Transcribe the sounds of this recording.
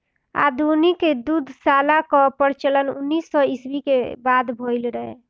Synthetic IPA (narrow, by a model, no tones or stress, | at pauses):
a̰d̪ʱuniked̪ud̪ʱsalakɔpəɾt͡ʃələnṵnːisːɔisbikebad̪bʱoɪlɾəɦḛ